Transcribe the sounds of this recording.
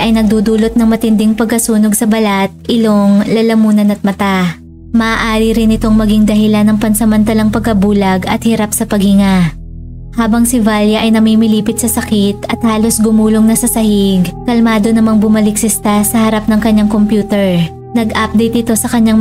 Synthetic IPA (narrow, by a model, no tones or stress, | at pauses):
ʔɐjnɐɡ̚d̪ud̪uːlo̞t̪̚nɐŋmɐt̪ɪnd̪ɪŋpɐɡ̚kɐsuːno̞ɡsɐbɐlat̪̚ʔɪloŋlɐlɐmuːnɐnɐt̪̚mɐt̪a | mɐʔaːʔaːɾiɾɪnɪt̪o̞ŋmɐɡɪŋd̪ɐɦɪlanːɐŋpɐnsɐmɐnt̪ɐlɐŋpɐɡ̚kɐbuːlɐɡɐ̰t̪̚hɪɾap̚sɐpɐɡ̚hɪŋa | haːbɐŋsɪvaljɐʔɐjnɐmiːmɪliːpɪt̪̚sɐsɐkɪt̪̚ɐt̪̚haːlo̞sɡʊmuːlo̞ŋnɐsɐsɐhɪɡkɐlmaːd̪o̞nɐmaŋbʊmɐlɪk̚sɪst̪asɐhɐɾap̚nɐŋkɐɲːaŋko̞mpjuːt̪ɛɹ | nɐɡʔap̚d̪ɛjt̪̚ʔɪt̪o̞sɐkɐɲːaŋ